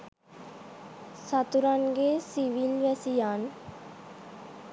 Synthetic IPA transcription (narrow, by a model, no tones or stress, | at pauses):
sat̪uɾanɡesiʋilʋɛsijaːn